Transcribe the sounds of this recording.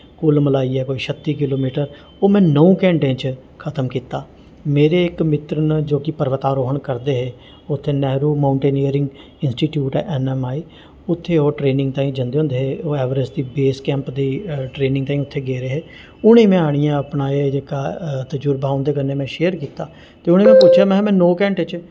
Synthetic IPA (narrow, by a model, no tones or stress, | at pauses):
kʊlməlaːiːɛːkoːiːʃʰət̪ːiːkɪloːmiːʈəɾ | oːmɛ̃ːnəũːkɛ̃ːɳʈẽːt͡ʃ | kʰət̪əmkiːt̪aː | meːɾeːɪkmɪt̪ɾənd͡ʒoːkɪpəɾʋət̪aːɾoːɦəɳkəɾd̪eːɦeː | ʊt̪ʰːeːnɛːɾuːmãːʊɳʈeːniːəɾɪ̃ŋɡ | ɪnsʈiːʈjuːʈɛ̰ːʔɛnɛːmaːiː | ʊt̪ʰːeːoːʈɾeːnɪ̃ŋɡ̚t̪ãːĩːd͡ʒənd̪eːõːnd̪eːɦeːoːɛːʋɾəsd̪iːbeːskɛ̃ːmpd̪iːʈɾeːnɪ̃ŋɡt̪aːĩːʊt̪ʰːeːɡeːɾeːɦeː | ʊɽ̃ẽːmɛ̃ːaːɽ̃ijãːəpnaːeːd͡ʒeːkaːt̪əd͡ʒuɾbaːʊ̃nd̪eːk̬ənːeːmɛ̃ːʃeːəɾkiːt̪aː | t̪eːʊñẽːmɛ̃ːpʊt͡ʃʰjaːmɛ̃ɦmɛ̃ːnoːkɛ̃ːɳʈẽt͡ʃ